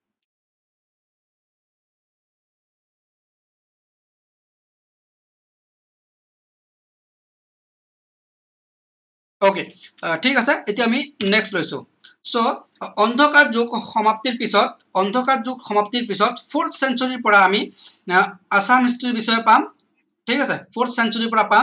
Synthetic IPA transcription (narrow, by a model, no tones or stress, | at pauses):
okeʈʰikasɛetijaːminɛkslojsʊ̰̃ | sɔː | ndʱɔkaɹzoɡxɔmaptiɹpisɔt̚ | ɔnd̪ʱɔkatzʊkxɔmaptiɹpisɔtpʰoɹtʰsɛnsoɹiɹpɔɹaːmi | asamis̬tiɹbisɔjɔpam | ʈʰikasɛpʰotʰsɛnsoɹipɔɹapa